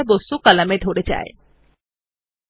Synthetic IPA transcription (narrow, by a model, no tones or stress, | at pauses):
bosukalamed̪ʱoɾed͡ʑa̰ḛ